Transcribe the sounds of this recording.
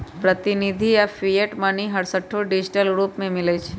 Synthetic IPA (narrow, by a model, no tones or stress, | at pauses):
pɾət̪inid̪ʱijafieʈmaniɦəɽsəʈʰːoɖid͡ʒiʈəlɡɾupmẽmɪlet͡ʃʰe̥